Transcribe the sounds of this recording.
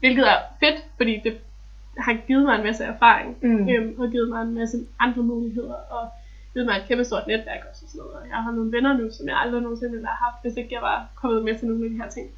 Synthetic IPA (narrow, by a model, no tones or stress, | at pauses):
ʋe̝lɡ̥ð̩ˠæɐfe̝d̥fɒ̽d̥ḭːd̥e̝ | hɑ̈ɡ̥ið̞̩ˠmɑ̈ɪe̝nmæsəæɐfɑ̰̈ːʁeŋøɒ̽ɡ̥iːð̩ˠmɑ̈ɪe̝nmæsəʔɑ̈nd̥ʁɐmuːliɦe̝ð̞̰ˠɐʔɒ̽ | ɡ̥iːð̩ˠmɑɪed̥kʰemb̥əsdo̝ɐ̰d̥ned̥ʋæɐɡ̥ɒ̽ssɔnɔð̩ˠɒjɑ̈ɪɦɑ̈no̝ːn̩ʋenɐnusɒ̽mjɑ̈ɪɑ̈ld̥ʁino̝ːn̩se̝nel̥ɑ̈hɑ̈fd̥ʋe̝se̝ɡ̥əjɑ̈ɪʋɑ̈kʰɒ̽m̰ð̩ˠmet͡sʰe̝no̝ːn̩æd̥iɦæɐ̰t͡sʰe̝ŋ̰